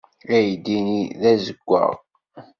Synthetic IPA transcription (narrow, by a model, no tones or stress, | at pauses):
æjd̪iniðæzəɡʷːə̰ʁ